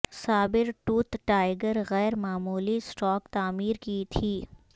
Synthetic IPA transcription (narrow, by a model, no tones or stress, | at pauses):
saːbɪɾʈuːt̪ʈaːɪɡəɾɣɛːɾmaːmuːlisʈɔːkt̪aːmiːɾkit̪ʰiː